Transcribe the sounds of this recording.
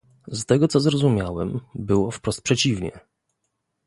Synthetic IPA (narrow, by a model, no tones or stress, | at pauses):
st̪ɛɡɔt̪sɔzɾɔzumʲjawɛmbɘwɔfpɾɔst̪̚pʂɛt͡ɕivɲɛ̰